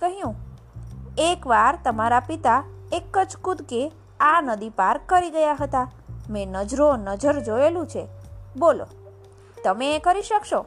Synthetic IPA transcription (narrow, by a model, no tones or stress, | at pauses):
kəɦjũ | ekʋaɾt̪əmaɾapit̪aekːəd͡ʒkud̪ʱke | anəd̪ipaɾkːəɾiɡəjaɦət̪amẽnəd͡ʒɾonəd͡ʒəɾd͡ʒoelũt͡ʃʰebolo̰ | t̪əmeːkəɾiʃəkʃo